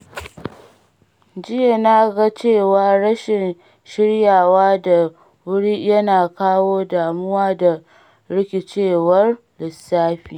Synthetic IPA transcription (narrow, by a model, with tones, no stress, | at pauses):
d͡ʒɪ˦ja˨na˦ɡa˦t͡ʃeː˦˨waː˦ɽɐ˦ʃɪ˨n | ʃɪ˦ɽjaː˨waː˦da˨ | wʊ˦ɽiː˦jɐ˦naː˨kaː˦woː˦daː˨mʊ˦waː˦da˨ | ɽɪ˦kʲe˨t͡ʃeː˦˨wɐ˦r | lɪ˨sːaː˦ɸiː˨